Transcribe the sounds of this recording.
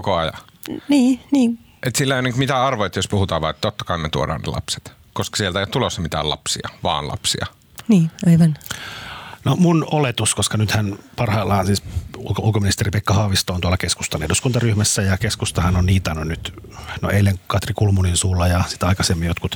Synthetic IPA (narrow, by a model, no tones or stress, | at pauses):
kkoɑjɑ̰ | niːniːn | ʔet̪silːæeoniŋkmit̪æɑrʋojt̪jospuhut̪ɑːʋʋɑ̰ˑet̪ːot̪ːɑ̥kɑinmet̪uodɑ̰ːnnḛlɑ̰pse̥t̪ | koskɑ̥sielt̪æeijot̪t̪ulosːɑmit̪æ̰ːlɑ̰psiɑʋɑ̰ːnlɑ̰psiɑ̰ | niːɑiʋɑn | nomunolet̪uskoskɑnyt̪hænpɑrhɑilːɑːnsiːsṵlkulkominist̪eripekːɑhɑːʋist̪oːnt̪uɑlɑkesku̥st̪ɑnehduskunt̪ɑryhmæsːæjɑkeskust̪ɑhɑnonniːt̪ɑnonnyt̪no̰ʔelːeŋkɑt̪rikulmuninsuːlːɑjɑsi̥t̪ɑikɑsemːijot̪kut̪